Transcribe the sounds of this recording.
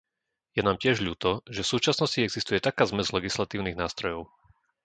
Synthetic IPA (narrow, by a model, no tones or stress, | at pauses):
jɛnaːmcɪɛʒʎuːt̪ɔʒɛfsuːt͡ʃasnɔsciɛɡzist̪ujɛt̪akaːzmɛzlɛɡislat̪iːʊniɣnaːst̪ɾɔjɔʊ